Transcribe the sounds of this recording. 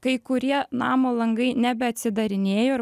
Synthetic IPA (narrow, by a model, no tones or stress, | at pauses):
kɐɪkʊɾʲiɛnɑːmoːlˠɐŋɡɐɪnʲɛbʲɛɐt̪ʲsʲɪd̪ɐɾʲɪnʲeːjoː